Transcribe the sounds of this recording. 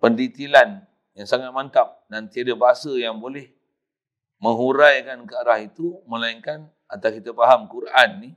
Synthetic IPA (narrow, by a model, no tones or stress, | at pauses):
pəndit̪ilan | jaŋsaŋat̪̚mant̪ap̚dant̪iadabaɦasəjaŋbolɛh | mə̃ŋɦuɾajkankəaɾahit̪umə̃laiŋkan | at̪akit̪afaɦamkuɾʔanːi